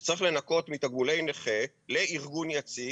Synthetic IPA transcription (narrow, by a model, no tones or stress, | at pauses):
t͡saʁiχle̞nako̞t̪mit̪aɡmulejneχe | leiʁɡunjat͡si